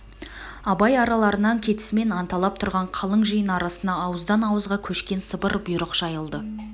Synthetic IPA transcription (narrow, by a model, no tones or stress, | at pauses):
ɑbɑjɑɾɑlˠɑɾənɑŋkʲʰe̞t̪ɪ̥sɪme̞nɑnt̪ɑlˠɑp̚t̪ʰʊɾʁɑɴqʰɑlˠəɴʒijənɑɾɑsənd̪ɑːwəzd̪ɑnɑwəzʁɑkʲʰɵʃkʲe̞nsəbəɾbʊjɾəqʒ̥ɑjəlˠd̪ə